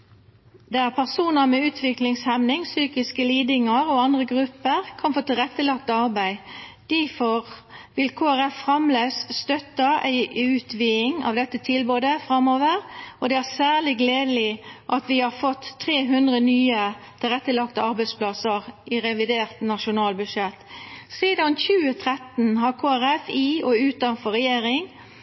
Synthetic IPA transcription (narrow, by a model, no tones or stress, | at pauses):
d̪ææʁpʰæʁsuːnəmɛʉːt̪ʰʋɪklɪŋshɛmnɪŋsyːkɪskəliːd̪ɪŋəʁɔɑnd̪ʁəɡʁʉpːəʁkʰɑnfoːt̪ɪlʁɛt̪ːəlɑk̚t̪əɑʁbæɪd̪̥æfɔʁʋɪlkʰoːæʁɛfːʁɑmleːsst̪œt̪ːɑʔæ̰ɪʉːt̪ʰʋiːɪŋɑ̰ʋd̪ɛt̪ːət̪ʰɪlboːd̪əfʁɑmoːʋəʁʔɔd̪ɛæʁsæːʁlɪɡleːd̪əlɪʔɑt̪ʋɪhɑʁfɔt̪ʰːʁeːɦʉnd̪ʁənyːət̪ʰɪlʁɛt̪ːəlɑkt̪əɑɾbæɪspʰlɑsəʁɪʁɛʋɪd̪eːʁt̪nɑʃʊnɑːlbʉd̪ʂɛt̪ːsiːd̪ɑnçʉːət̪ʰʁɛt̪n̩ɦɑʁkʰoːæʁɛfiːɔʉːt̪ɑnfɔʁɛjeːɾɪŋ